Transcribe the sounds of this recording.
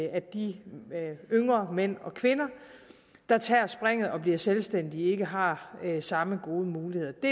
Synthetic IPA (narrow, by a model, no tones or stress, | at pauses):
æd̥i | øŋʁɐmen̰ɒ̽kʰʋe̝nɐ | d̥ɑ̈t͡sʰɛɐsb̥ʁeŋ̰ð̞̩ˠɒ̽b̥liɐselsd̥en̰d̥ie̝ɡ̥əɦɑ̈sɑ̈məɡ̥o̝ːð̞ˠəmuːlihe̝ð̰ˠɐd̥e̝